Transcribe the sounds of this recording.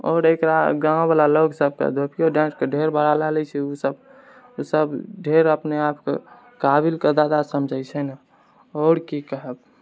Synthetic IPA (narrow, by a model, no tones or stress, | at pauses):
ɔ̰ːɾekɾaɡãbalaloksəb̚kḛd̪ʱopʰijoɖãnskeɖʱeɾbʱəɾalɛlɛt͡ʃʰɛusəb | usəbɖʱeɾəpneapkḛ | kabilked̪ad̪asəmd͡ʒʱəjt͡ʃʰɛna | ɔːɾkikəɦəb